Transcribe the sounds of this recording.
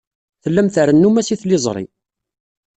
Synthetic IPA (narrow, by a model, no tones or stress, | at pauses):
θəlːæmθəɾənːumæsiθlɪzˤɾˤḭ